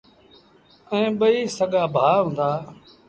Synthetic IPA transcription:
ɛ̃ːɓəiːsəɠaːbʱaːɦʊ̃ːnd̪aː

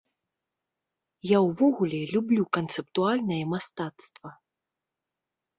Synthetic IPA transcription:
jawvɔɣulʲɛlʲublʲukɐnt̪sɛp̚t̪ualʲnɐjɐmast̪at̪st̪vɐ

